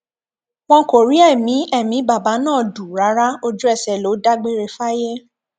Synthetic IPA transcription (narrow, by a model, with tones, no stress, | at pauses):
w̃ɔ̃˧˦ko˨ɾi˨˦ɛ˦˨mĩ˨˦ʔɛ˦˨mĩ˨˦ba˨ba˨˦nãː˦˨du˨ɾa˨˦ɾa˦o˧d͡ʒu˦ɛ˦˨sɛ˨lo˨˦da˦ɡ͡be˦ɾe˧fa˦je˦